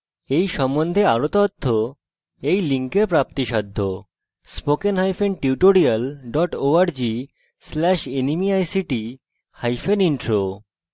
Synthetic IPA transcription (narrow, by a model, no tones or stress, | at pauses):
ejʃɔmːond̪ʱeaɾot̪ɔt̪ʰːo | ejliŋkeɾpɾap̚t̪iʃad̪ʱːo | spokenɦajfenʈiuʈoɾialɖɔʈoaɾd͡ʑi | slɛʃenimiajsiʈi | hajfeniɳʈɾo